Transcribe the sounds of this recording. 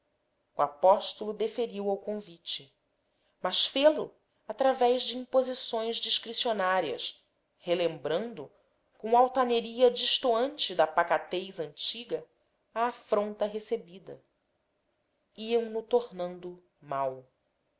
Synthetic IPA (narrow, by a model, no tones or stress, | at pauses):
uapɔʃt̪ʊlʊd̪efeɾiwawkõvit͡ʃɪ | mɐʃfelʊ̰ | at̪ɾavɛʒd͡ʒɪĩmpozisõj̃zd͡ʒiʃkɾisionaɾiɐ̰s | helẽmbɾɐ̃nd̪ʊ | kõw̃awt̪aneɾiɐd͡ʒiʃt̪oɐ̃nt͡ʃɪd̪ɐpakat̪ejzɐ̃nt͡ʃiɡɐ | aːfɾõnt̪ɐɦesebid̪ɐ̰ | iɐ̃w̃nʊt̪oɾnɐ̃nd̪ʊ | maw